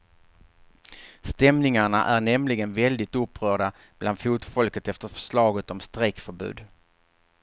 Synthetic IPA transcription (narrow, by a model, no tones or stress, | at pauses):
st̪ɛmnɪŋaɳa̰ʔæɾɳɛmlɪɡənvɛld̪ɪt̪ɵpːɾœːɖa | b̥land̪fuːt̪fɔlkət̪ɛft̪əɾfœ̥ʂɭɑːɡət̪ɔmst̪ɾɛkfœɾbʉ̟̰ːd̪